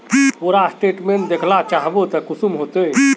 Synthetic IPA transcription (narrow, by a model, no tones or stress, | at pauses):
oɾasʈeʈmeɳʈd̪ekʰlat͡ʃaɦbot̪əkusumɦot̪e